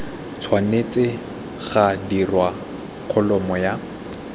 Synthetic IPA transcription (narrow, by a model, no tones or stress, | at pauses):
t͡sʰwanet͡sɪ | χadirwa | kʰɔlɔmɔja